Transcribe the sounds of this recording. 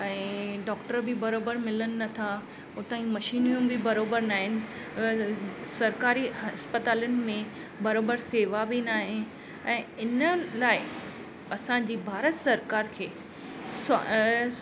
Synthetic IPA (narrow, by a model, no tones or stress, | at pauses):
ɛ̃ːɖɔːkʈəɾbɪbɐɾoːbəɾmɪlənɪ̆nɐt̪ʰa | ʊt̪aːĩmɐʃiːnijũbʱɪbɐɾoːbəɾnaːɦɪnɪ̆ | sɐɾkaːɾiɐspət̪aːlənɪ̆mẽ | bɐɾoːbəɾseːʋabʱinaːɦɪn | ɛ̃ːɪnəlaːɪ | ɐsãd͡ʑiːbʱaːɾət̪sɐɾkaːɾkʰeː | s